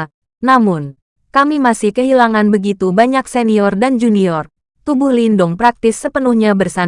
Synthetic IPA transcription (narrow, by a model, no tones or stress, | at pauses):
namʊn | kamimasɪhkəɦilaŋanbəɡit̪ubaɲakseniɔrdand͡ʒuniɔr | t̪ubʊhlindʊŋpɾak̚t̪ɪsːəpənuhɲabərsa